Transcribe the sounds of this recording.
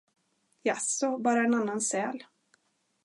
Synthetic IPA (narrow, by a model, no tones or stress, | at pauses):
jasɔbɑːɾaɛnanːansɛːl